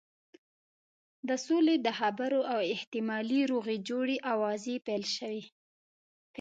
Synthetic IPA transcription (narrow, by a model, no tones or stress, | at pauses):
d̪əsoled̪əxabaɾoawɪht̪ɪmɑliɾoɣid͡ʒoɽeʔawɑzepejlʃəwi